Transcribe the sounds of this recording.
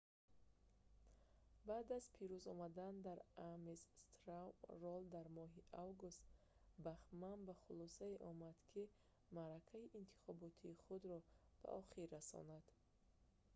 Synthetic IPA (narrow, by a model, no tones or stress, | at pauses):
baːd̪azpʰiɾuzɔmad̪and̪aɾamesst̪ɾawrɔld̪aɾmɔɦiʔavɡust̪ | baχmanbaχulɔsaiʔɔmad̪kʰi | maɾakʰaiʔint̪ʰi̥χɔbɔt̪ʰiːχud̪ɾɔb̥a̰ʔɔχiɾːasɔ̰nad̪̥